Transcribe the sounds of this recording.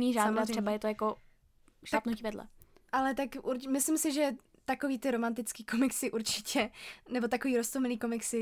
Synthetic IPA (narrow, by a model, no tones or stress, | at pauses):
niːʒaːad̪aɾe̥ɛbajɛt̪ojako | ʃlapnuciːvɛdlɛ̰ʔalɛt̪akuɾmɪslɪmsɪʒɛ | t̪akoviːt̪ɪɾomant̪ɪt͡skiːkomɪksɪʔuɾt͡ʃɪ̥cɛnɛbo̞t̪akoviːɾost̪omɪliːko̞mɪksɪ